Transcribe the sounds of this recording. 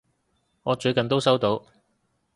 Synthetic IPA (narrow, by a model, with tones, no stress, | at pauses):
ŋɔː˨˧t͡ʃɵ˨˧ɥkɐ˨nt̪o˥wsɐ˥wt̪o˨˧w